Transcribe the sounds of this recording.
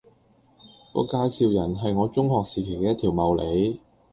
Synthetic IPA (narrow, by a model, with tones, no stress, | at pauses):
kɔ̰ː˧kaː˧jsiː˨˧wjɐ˨˩nɦɐ˨jŋɔː˨˧t͡sʊ˥ŋhɔː˨k̚siː˨˩kʰe˨˩jkɛː˧˦ɐ˥t̪ʰiː˨˩wmɐ˨˩wlʔe˨˧j